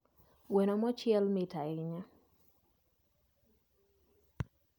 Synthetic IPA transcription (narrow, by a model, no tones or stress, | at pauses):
wenɔmɔt͡ʃɪɛlmɛtaɪɲa